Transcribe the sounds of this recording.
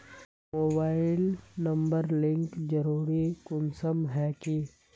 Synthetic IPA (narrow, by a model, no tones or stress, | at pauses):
moːbaːɪlnɐ̃mbəɾlɪ̃ŋkd͡ʒəɾuːɾikʊnsəmɦɛki